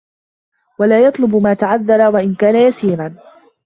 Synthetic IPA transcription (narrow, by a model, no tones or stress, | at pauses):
walaːjɑt̪ˤlʊbmaːt̪aʕaðːɑɾˤawaʔɪnkaːnajasiːɾan